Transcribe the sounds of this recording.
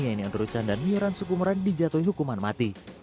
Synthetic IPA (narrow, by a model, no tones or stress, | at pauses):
iainiaŋt̪əɾut͡ʃandanmiuɾansukumuɾandid͡ʒat̪ɔiɦukumanmat̪i